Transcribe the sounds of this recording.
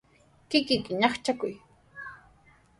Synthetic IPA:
kɪkɪkɪɲɑχt͡ʃakʊj

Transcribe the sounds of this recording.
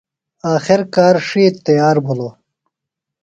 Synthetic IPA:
aːxɪɾkaːɾʂit̪ːɐjaːɾbʱuloː

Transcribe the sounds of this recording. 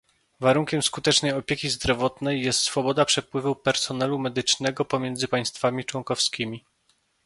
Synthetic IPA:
vaɾuŋkʲɛmskut̪ɛt͡ʂnɛjɔpʲjekʲizd̪ɾɔvɔt̪nɛjːɛst̪sfɔbɔd̪apʂɛpwɘvupɛɾsɔnɛlumɛd̪ɘt͡ʂnɛɡɔpɔmʲjɛnd̪zɘpaj̃st̪famʲit͡ʂwɔŋkɔfskʲimʲi

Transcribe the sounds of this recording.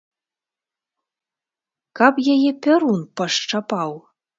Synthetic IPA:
kɑpjɛjepʲɘɾunpɑʃt͡ʃɑpɑw

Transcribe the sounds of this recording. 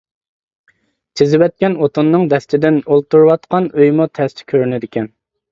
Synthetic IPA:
t͡ʃʰɪzɪwɛt̪̚kʲɛnot̪unːɨŋd̪ɛst̪ɪd̪ɪnolˠt̪uɾwɑt̪qʰɑnøjmut̪ʰɛst̪ʰɪ̥kʲʰøɾnɪd̪ɪkʲɛn

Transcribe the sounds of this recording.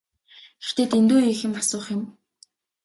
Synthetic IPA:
ext̪ʰeːt̪ent̪oːixɘ̆masʊːχɪ̆m

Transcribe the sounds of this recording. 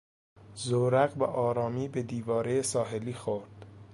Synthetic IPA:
zoɾæɣbeʔɒːɾɒːmiːbe̞d̪iːvɒːɾejesɒːɦe̞liːxoɾd̪̥

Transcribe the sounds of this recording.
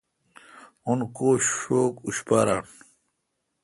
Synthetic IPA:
onkoːɕoːkuɕpaːɾa̰ːn

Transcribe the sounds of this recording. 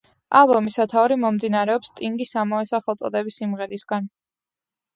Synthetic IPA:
a̰lˠbɔmisat̪ʰaɔɾimɔmd̪inaɾɛɔpst̪ʼiŋɡisamaɛsaχɛlˠt̪sʼɔd̪ɛbisimʁɛɾisɡan

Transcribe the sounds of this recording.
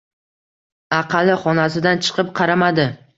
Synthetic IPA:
ɑqʰɑlɪχɒnasɪd̪ant͡ʃʰɨ̥qɨp̚qʰɑɾamad̪ɪ

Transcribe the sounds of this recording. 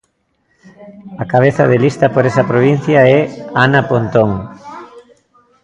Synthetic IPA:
akaβ̞eθaðelist̪ɐpoɾesɐpɾoβin̟θjaɛanapont̪oŋ

